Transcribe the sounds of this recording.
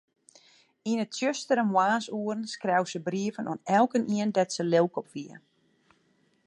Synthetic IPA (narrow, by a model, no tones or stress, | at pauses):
inətsjøstəɾənwaːsuərnskrɛwsəbriəvənʔɔnɛlˠkənʔiəndɛtsəlewˠkɔpʋiə